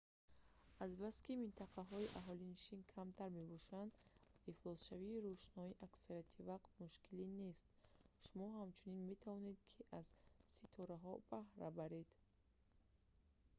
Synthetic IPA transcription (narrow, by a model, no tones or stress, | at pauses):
azbaskimint̪ʰaqʰaɦɔiʔaɦɔliniʃinkʰamt̪ʰaɾme̞bɔʃand̪iflˠɔsʃaviːɾuʃnɔiʔaksaɾiat̪ʰivaqt̪muʃkʰiline̞st̪ʃumɔɦamt͡ʃʰuninme̞t̪ʰavɔne̞d̪kʰiʔazsit̪ʰɔɾaɦɔb̥ahɾa̰baɾe̞d̪̥